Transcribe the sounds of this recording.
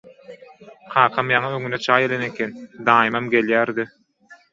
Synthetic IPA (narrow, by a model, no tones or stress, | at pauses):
qʰɑːqʰɑmjɑŋɯøŋynet͡ʃʰɑːjelenekʲʰend̪ɑːjimɑmɡʲe̞ljæːɾd̪i